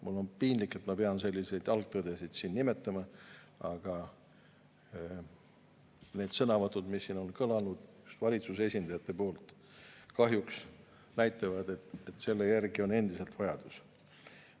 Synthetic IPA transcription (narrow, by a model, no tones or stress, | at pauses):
mulːo̞npiːnlikːˑet̪mɑpe̞ɑnse̞lʲːise̞jd̪ɑlɡ̥̚t̪ːɤd̪̥esid̪̥siːnnime̞t̪ːˑɑmɑ | ɑɡ̥ɑ | ne̞ːd̪̥sɤnɑvɑt̪ːˑud̪misːiːno̞nkɤlɑlnud̪̥just̪vɑlʲit̪suse̞sʲind̪ɑjɑt̪ˑːe̞po̞ːlt̪ˑ | kɑɦjuks | næjt̪ːˑɑvɑd̪e̞t̪et̪ːse̞lːejærɡio̞ne̞nd̪̥ise̞lt̪vɑjɑd̪̥us